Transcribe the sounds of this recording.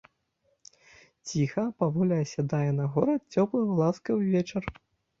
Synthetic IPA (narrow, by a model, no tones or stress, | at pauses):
t͡sʲixɐpavɔlʲiɐsʲad̪ajɛnɐɣɔɾɐt̪̚t͡sʲɔplˠɐɣlˠaskɐwvʲɛt͡ʂɐr